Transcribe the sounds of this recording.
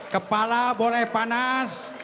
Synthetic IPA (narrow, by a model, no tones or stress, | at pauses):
kəpalabolɛhpanas